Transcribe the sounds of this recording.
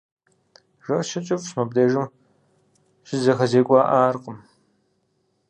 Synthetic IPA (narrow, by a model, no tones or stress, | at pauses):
ʐɐʃɐt͡ʃʼɐfɕmɐb̚deːʒɨm | ʒ̥ɪzɐxɐzeːkʷʼɑːʔaːrqʼəm